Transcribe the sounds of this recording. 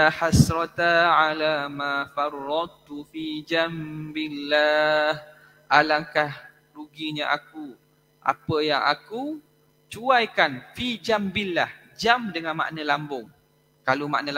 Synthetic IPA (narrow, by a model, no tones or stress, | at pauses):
aħasɾɔt̪aʕalamafɑrːɑd̪̚t̪ufid͡ʒambilːah | ʔalaŋkah | ɾuɡiɲaʔaku | ʔa̰pəjaŋa̰ku | t͡ʃuajkanfid͡ʒambilːah | d͡ʒamdəŋãnma̰ʔnə̃lambʊŋ | kaloma̰ʔnəl